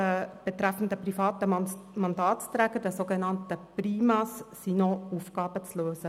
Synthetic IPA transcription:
əb̥et̪ɾæfn̩d̪əprifɑːt̪əmɑnd̪ɑːtst̪ɾæːɡ̥əɾd̥ɛsoːɡenɑntəpriːmɑssinɔufɡ̥ɑːb̥ət͡sløːsə

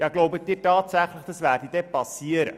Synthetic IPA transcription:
jɑɡlowbəd̪iːtɑːtsæχləχd̥ɑsʋæːrdid̥ɛpɑsiəɾə̰

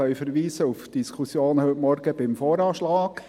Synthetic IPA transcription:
œʏfəɾʋiːsəufd̥iskʰusjoːnhʏtmɔɾɡəb̥ɪmfɔːɾɑːʃlɑːɡ̥

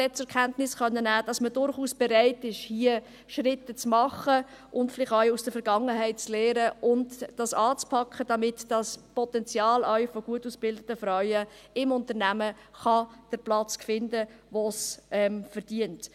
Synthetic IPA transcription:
ɛt͡sɛɾkχɛntnɪsχœnːənæːd̥ɑsmədʊɾχuːsb̥ɛɾæɪtɪʃhiə | ʃɾɪtːət͡smɑχə | ʔʊntflɪχtœʏusd̥əfɛɾɡ̥ɑŋːəɦæɪt̚t͡sleːɾəʔʊndd̥ɑsɑːt͡spʰɑkχəd̥ɑmɪtd̥ɑspɔt̪ɛnt͡sjɑːlœʏfoɡ̥uətuːsb̥ɪldətəfɾœɥəɪmʊntəɾnæmə | χɑd̥əɾplɑt͡skfɪndəʋosʔɛmfəɾd̥iənt

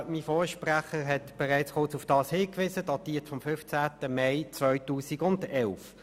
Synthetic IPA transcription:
mifɔːʃpʁæχəʁɦɛtb̥ɛʁaɪt͡sχʊɐt͡sufd̥ɑːshɪːkʋɪsədɑtiːətfɔmfʏft͡sæːtəmeɪt͡sʋvœʏtuːsiɡʊndɛlf

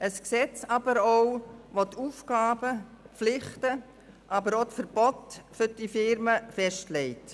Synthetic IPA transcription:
ʔəsksɛt͡sɑb̥əɾoʊʋotʰuːfɡ̥ɑːbəflɪχtə | ʔɑbəɾotfəɾb̥ɔtfʏɾd̥ifɪɾməfɛʃtlɛɪt

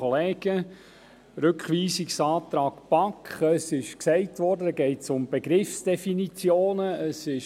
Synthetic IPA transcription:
ɔleːɡ̥ə | ɾʏkχʋiːsiksɑːt̪ɾɑːkpɑkχəsɪʃksɛɪtʋɔrdəɡɛɪtsʊmb̥eɡɾɪfsd̥ɛfinit͡sjoːnəəsɪʃ

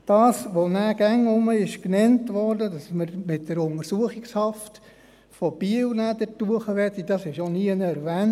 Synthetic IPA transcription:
d̥ɑːsʋonæːɡ̥æŋʊməɪʃknɛntʋɔrdədɑsməɾmɪtdəɾʊŋəɾsuəχɪkshɑft | fɔb̥iəlnædətuəχəʋɛtːid̥ɑsɪʃoniːənəɛɾʋæːn

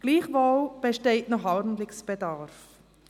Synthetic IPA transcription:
ɡ̥liːχʋolb̥ɛʃteɪtnɔχɑɾn̩dlɪksb̥ɛdɑɾf

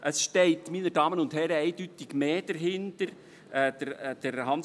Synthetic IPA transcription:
ʔəsʃtɛɪtminədɑːmənʊndɦɛɾəɛɪd̥ytɪɡmeːd̥əɾɦɪntəɾ | ɛːdəd̥əɾhɑns

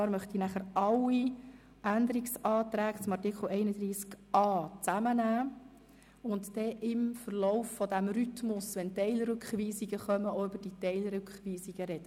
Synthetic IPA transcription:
ɑːɾmœχt̪inæχəɾʔɑlːi | ʔænd̪əɾiksɑːt̪ɾæːɡt͡sʊmɑɾtɪkχl̩ɛɪnəd̪ɾiːskʔɑːt͡sæmənæː | ʊnt̪d̥ɛʔɪmfəɾlɔʊfːɔd̪æmɾytmʊsʋɛntɛɪlɾʏkχʋiːsiɡəχœməoʏbəɾd̥it̪ɛɪlɾʏkχʋiːsiɡ̥əɾɛd̥ə

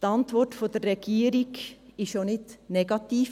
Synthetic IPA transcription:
ɑnt̪ʋɔʈfɔd̪eɾɛɡ̥iːɾɪɡɪʃonɪt̪nɛɡɑt̪iːf

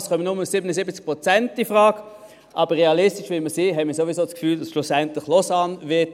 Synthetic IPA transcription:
sχœmənʊməsɪbənəsɪbət͡sk̚pʁot͡sɛntd̥ifʁaːɡ | ʔɑːb̥əʁeɑlɪstɪʃvɪməsiɦɛmɪːɐsovisoːskfyːld̥asʃlʊsɛntlɪχlɔsɑːnvɪɐt

